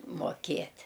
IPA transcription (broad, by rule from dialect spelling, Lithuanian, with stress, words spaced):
moːˈkʲeːtʲ